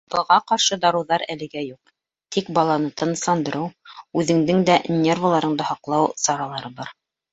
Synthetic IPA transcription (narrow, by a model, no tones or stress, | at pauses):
bɤ̆lˠʁɑqɑɾʃɤd̪ɑɾɤ̆wðɑɾælɘ̆ɡæjuq̚ | t̪ik̚bɑlˠɑnɤt̪ʰɤ̆nɤ̆sˠɑnd̪ɤ̆ɾʔɤwʉðɘ̆ŋd̪ɘŋd̪ænʲervalˠɑɾɤ̆ɴd̪ɤhɑqlˠɑwsɑɾɑlˠɑɾɤbɑɾ